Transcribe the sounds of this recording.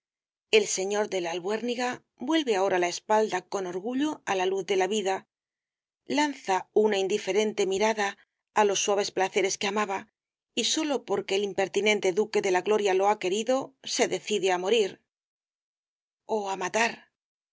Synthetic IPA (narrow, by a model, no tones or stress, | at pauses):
e̞lse̞ɲo̞ɾðe̞lalβwe̞ɾniɣa | bwe̞lβe̞ao̞ɾalaespald̪ako̞no̞ɾɣuʎo̞alaluθðe̞laβiða | lanθaunaind̪ife̞ɾe̞nt̪e̞miɾaðaː | lo̞sːwaβ̞e̞splaθe̞ɾe̞ske̞amaβa | iso̞lo̞po̞ɾke̞ːlimpe̞ɾt̪inẽ̞nt̪e̞ðuke̞ðe̞laɣlo̞ɾjalo̞ake̞ɾiðo̞se̞ðe̞θiðe̞amo̞ɾiɾ | o̞amat̪aɾ